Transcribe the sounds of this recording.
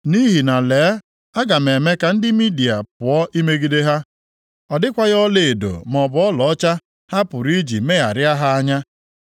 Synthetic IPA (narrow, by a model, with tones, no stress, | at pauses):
ni˦ɦi˨na˨leː˨˦ | a˦ɡa˨me˨me˦ka˨n̩˦dɪ˦mi˦di˨a˨pʊ˨ɔ˦ʔi˦me˦ɡi˦de˦ɦa˦ | ɔ˨dɪ˦kʷa˦ɣɔ˦le˦e˨do̰˨m˨ɔ˨bʊ˨ɔ˦lɔ˨˦t͡ʃa˦ | ha˦pʊ˨ɾi˦d͡ʒḭ˨me˦ja̰˨ɾja˦ɦa˦a˦ɲa˦